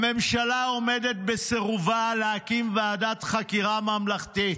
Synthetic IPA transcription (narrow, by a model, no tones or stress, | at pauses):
me̞mʃalao̞med̪et̪̚beseʁuvaleakimvead̪at̪χakiʁamamlaχt̪i